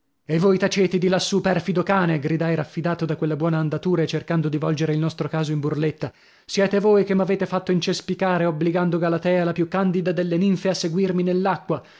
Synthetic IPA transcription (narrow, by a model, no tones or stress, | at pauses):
evːojt̪at͡ʃeːt̪ed̪ilasːupɛrfid̪okaːneɡɾid̪ajɾafːid̪aːt̪od̪akwelːabwɔːnaːnd̪at̪uːɾaet͡ʃːerkand̪od̪ivɔld͡ʒeɾeilnɔst̪ɾokaːzoimburlet̪ːa | sjɛːt̪evoːjkemːaveːt̪efat̪ːoint͡ʃespikaːɾeobːliɡand̪oɡalat̪ɛːalapjukːand̪id̪ad̪elːeniɱfeasːeɡwirminelːakːwa